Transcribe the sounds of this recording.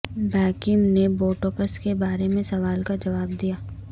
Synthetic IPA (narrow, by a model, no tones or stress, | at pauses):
bɛːkɪmneboːʈoːkəskebaːɾemẽsɐʋaːlkad͡ʒɐʋaːb̚d̪ijaː